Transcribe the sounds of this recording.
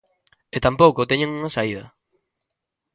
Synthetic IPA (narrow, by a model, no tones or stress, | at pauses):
et̪ampowkot̪eɲeŋuŋasaiðɐ̰